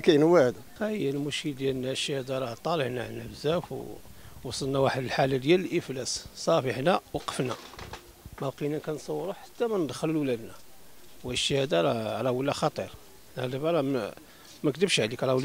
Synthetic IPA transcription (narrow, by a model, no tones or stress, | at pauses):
kæjnəwæd̪ | æjlmuʃkəld̪jælnæʃhæd̪ɑɾˤɑt̪ˤɑləʕnaʕə̰nːæbzæfwwɑsˤəlnæwaħəd̪əlħalæd̪jæləlʔəflæssˤɑfəħnæwqə̥fnæ | mælqinækænsˤɑwːɾuħḁt̪ːæmænəd̪xələlwlæd̪næwæʃhæd̪ɑɾˤʕlæwəlːæxɑt̪ˤiɾ | næd̪ibæɾˤɑ | mækt̪əbʃʕlikʕlæwəlː